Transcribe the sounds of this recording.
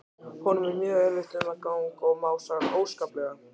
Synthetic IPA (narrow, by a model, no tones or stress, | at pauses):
hʰɔnʏmɛɾmjœːɣɛɾvɪht̪ʏmakaːwŋkɔɣmaːwsaɣɾoːwskaːplɛɣa